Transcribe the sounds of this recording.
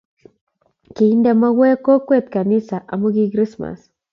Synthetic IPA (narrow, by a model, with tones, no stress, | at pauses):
kei˦nd̪ema˦we˦ko˦kʷe˦t̪ka˨ni˦sa˨ʔa˨mo˦ɡiɡɾi˦sma̰s